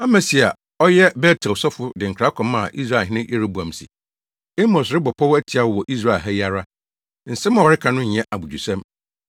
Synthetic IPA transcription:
a˦mɛ̃˨si˨a˨ | ɔ˦jɛ˦bɛ˦tʰɛ˨wsɔ˦fʊ˦dɪ̃˨ŋ̩˨kʰɾa˦kʰɔ̃˨mã˨ʔi˦s̬ɾa˦˨ɦɪ̃˦nɪ̃˦ʔi˦ɾa˦bu˨ã˨m˨sḭ˨ | e˦mõ˨sɪ˦bɔ˨pʰɔ˦wæ˦tʰi˨a˦wwɔ˨ʔi˦s̬ɾa˦˨lɦɛ˦ja˦ɾa˦ | n̩˨sɛ˦mã˨ɔ˨ɾɪ˦kʰã˨nʊ̃˦ɲ̩˨ɛ̃˦ʔa˨bu˨d͡ʑᶣu˨sã˦m

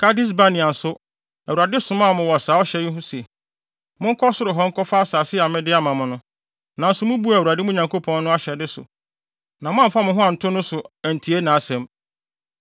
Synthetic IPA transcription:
kʰa˦di˦s̬ba˦nɪ̃˨a˨sʊ˦ | æ˨wu˨ɾa˨dɪ˦sʊ̃˨mã˦˨mʊ̃˨wɔ˨a˨saː˨˦ɔ˦ɕɛ˦jɪ˦ɦʊ̃˦sɛ˨ | mʊ̃˦ŋ̩˦kʰɔ˦sʊ˦ɾɪ˨ɦɔ˦ŋ̩˦kʰɔ˦fa˦a˦saː˨sɪ˦a˨mɪ̃˦dɪ˦a˦mã˨mʊ̃˨nʊ̃˦ | nã˨n̩˦sʊ˦mʊ̃˦bu˦˨u˨ɾa˨dɪ˦mʊ̃˦˨ɲã˨ŋkʰo˦pʰɔ̃˦nː˦ʊ̃˦a˦ɕɛ˨dɪ˦sʊ̰˨ | nã˨mʊ̃˦a˦m˨fa˦mʊ̃˦ɦʊ̃˦ã˨n̩˨tʰʊ˦nʊ̃˦sʊ˨æ˨n̩˨tʰi˨e˦nãː˨˦sɛ̃˨m

